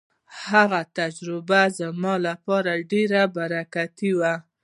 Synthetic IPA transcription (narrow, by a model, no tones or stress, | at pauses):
haɣat̪ad͡ʒɾɪbazəmɑlapɑɾaɖeɾabaɾakat̪iwa